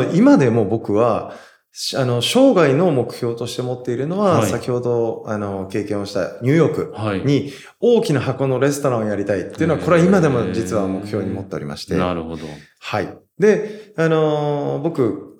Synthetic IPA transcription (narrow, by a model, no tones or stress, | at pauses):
imad̪e̞mo̞bo̞kɯ̟βa | ɕano̞ɕo̞ːɡaino̞mo̞kɯ̟̥ço̞ːt̪o̞ɕi̥t̪e̞mo̞t̪ːe̞iɾɯ̟no̞βassakʲiho̞d̪o̞ano̞ke̞ːkẽ̞ɰ̃o̞ɕi̥t̪a̰ɲ̟ɨ̟ːjo̞ːkɯ̟ɲ̟i | o̞ːkʲinaɦako̞no̞ɾe̞sɨ̥t̪o̞ɾãojaɾʲit̪ait̪ːeiɯ̟noako̞ɾe̞aimad̪e̞mo̞d͡ʑit͡sɨβamo̞kɯ̟̥çjo̞ːɲ̟imo̞t̪ːe̞oɾʲḭma̰ɕi̥t̪eod̪o | haḭ | d̪e̞ano̞bo̞kɯ̟